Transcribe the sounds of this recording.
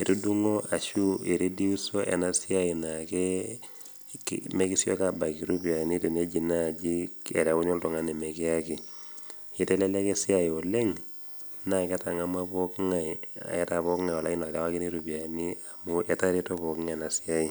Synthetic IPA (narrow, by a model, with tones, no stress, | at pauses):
e˨ɾu˦du˦ŋo˦a˨ʃu˦e˨ɾe˦di˦u˦so˦ʔɛ̰˨na˦si˦a˦i˨na˨ke | me˦ki˦sjɔ̰˦ka˨ba˨ki˨ɾu˦bi˨a˨ni˦te˨ne˦d͡ʒi˨na˦˨d͡ʒi˦kɛ̰˨ɾa˨u˦ɲo˦ltɔ˨ŋa˦ne˨mɛ˨ke˦a˦ki˨ | i˦tɛ˦la˦la˦ke˦si˦a˨i˨o˨le˦ŋ | na˨ka˦ta˨ŋa˦ma˦pɔ˦kŋa˨ia̰˨ɛ˦ta˨βɔ˦kŋa˨jwa˨la˦i˦na˨ta˦wa˦ki˦ɾi˦ɾupi˨a˨ni˦a˨mu˦ʔɛ˦ta˦ɾe˦to˦βɔ˨kŋɛ˨na˨si˦a˦i˨